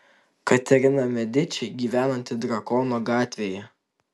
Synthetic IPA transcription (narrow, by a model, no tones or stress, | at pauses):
kɐt̪ʲɛɾʲɪnɐmʲɛd̪ʲɪt͡ʃʲɛɪɡʲiːʋʲæːnɐnʲt̪ʲɪd̪ɾɐkɔnoːɡɑːt̪ʲʋʲeːjɛ